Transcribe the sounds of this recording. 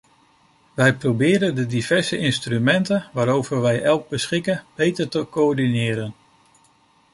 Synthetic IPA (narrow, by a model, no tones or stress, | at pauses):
ʋɛjprowbɪːɾəndədivɛɹzəʔɪnstrymɛntənʋaːɾowvəɹʋɛjʔɛlˠɡ̚bəsχɪkənb̥ejtəɹtəkoɔɹdinɪːɾən